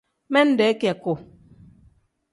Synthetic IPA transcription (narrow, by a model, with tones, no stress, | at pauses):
mɛ˦n̩˦dɛ˨˦ka˨ko˨